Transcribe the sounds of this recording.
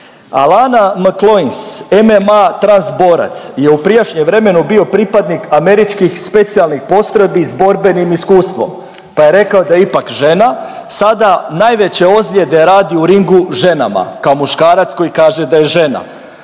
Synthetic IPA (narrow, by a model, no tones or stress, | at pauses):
a̰lˠanaməklˠoinse̞memat̪ɾansbo̞ːɾa̰t̪sje̞upɾijaʃɲemʋɾe̞me̞nubio̞pɾipad̪nikame̞ɾit͡ʃkixspe̞t̪sijalˠnixpo̞st̪ɾo̞jbizbo̞ɾbe̞nimiskuːst̪ʋo̞̰m | paje̞ɾe̞kaod̪aipakʒe̞na | sad̪anaːjʋe̞t͡ɕe̞o̞zlʲje̞d̪e̞ɾaːd̪iuɾiŋɡuʒe̞na̰ma̰kaomuʃkaːɾat̪sko̞jikaːʒed̪aje̞ʒe̞na̰